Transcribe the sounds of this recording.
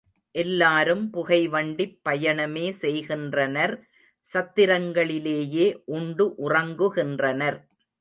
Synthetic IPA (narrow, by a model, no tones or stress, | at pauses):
ʔɛlːaːɾɯmpʊɣɐɪʋɐɳɖɪpːɐjɐɳɐmeːsɛjɣɪndrɐnɐɾ | sɐt̪ːɪɾɐŋɡɐɭɪleːjeːʔʊɳɖɯʔʊrɐŋɡɯɣɪndrɐnɐɾ